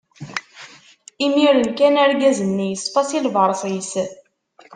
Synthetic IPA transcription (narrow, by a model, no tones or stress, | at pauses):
imiɾənkænæɾɡæzənːijəsˤfɑsilvəɾˤsˤis